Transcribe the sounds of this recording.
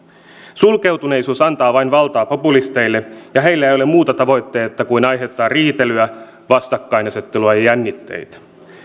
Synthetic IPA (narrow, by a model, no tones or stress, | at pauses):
sulke̞wt̪uneisuːsɑnt̪ɑːʋɑjnʋɑlt̪ɑːpo̞pulist̪e̞ilːejɑɦe̞jlːæeˑjole̞muːt̪ɑt̪ɑʋo̞jt̪ːe̞ːt̪ːɑkuinɑjɦe̞t̪ːˑɑːrriːt̪e̞lyæ | ʋɑst̪ɑkːɑinɑset̪ːeluɑjɑjænːit̪ːḛjt̪æ̥